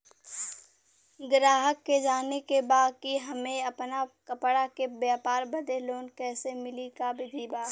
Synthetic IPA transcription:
ɡɾaːɦəkːed͡ʒaːnekebaːd̪̚kiɦɐmẽɐpnakɐpɽakebjaːpaːɾbɐd̪eloːnkɛːsemɪlikabɪd̪ʱiːbaː

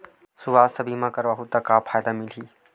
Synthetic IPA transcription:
suʋaːst̪ɐbʱimãkɐɾʋaɦut̪ɐkaːpʰaːjd̪amɪlɦiː

